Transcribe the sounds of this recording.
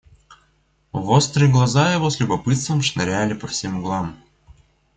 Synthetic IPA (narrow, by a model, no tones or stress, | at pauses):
vost̪ɾɨɡlˠɐzajɪvo̞sʲlʲʊbɐpɨt̪st̪vəmʂnɐɾʲælʲɪpɐfsʲemɡlˠam